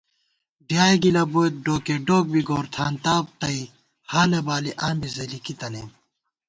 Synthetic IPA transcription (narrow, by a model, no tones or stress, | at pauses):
ɖijaːjɡilɐbot̪̚ɖoːkeɖoːk̚biɡoːɾt̪ʰaːnt̪aːb̚t̪ɐi | haːlɐbaːliʔaːmbizelikit̪ɐne